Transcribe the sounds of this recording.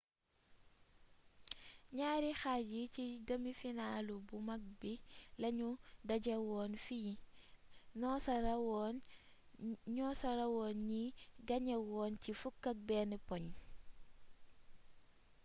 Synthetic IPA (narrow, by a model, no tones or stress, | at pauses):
ɲaːɾixaɟiciɡɐmifinaːlubumɐk̚bilɐɲudɐɟɐwɔːnfiji | nɔsɐɾwɔn | ɲɔːsɐɾɐwɔːnɲiɡɐɲɐwɔːncifukːɐk̚bɛnipɔɲ